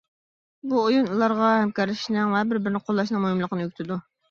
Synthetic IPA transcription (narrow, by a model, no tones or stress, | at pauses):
buojunulˠɑɾʁɑɦɛmkɑɾlɪʃnɪŋvɛbɪɾbɪɾɪnɪqʰolˠːɑʃ̬nɨŋmojmlˠəqnɨjykʲt̪ʰɪd̪u